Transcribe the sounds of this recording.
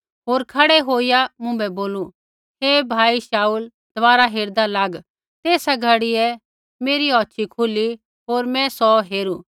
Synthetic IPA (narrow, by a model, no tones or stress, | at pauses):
ɦoːɾkʰɐɽɛɦoːijamʊ̃bɛboːlũ | ɦeːbʱaːiʃaːuːl | d̪̥ʋaːɾaɦeːɾd̪alaːɡ | t̪eːsaɡʱɐɽiɛ | meːɾiɔːtːʃʰikʰʊli | ɦoːɾmɛ̃sɔɦeːɾu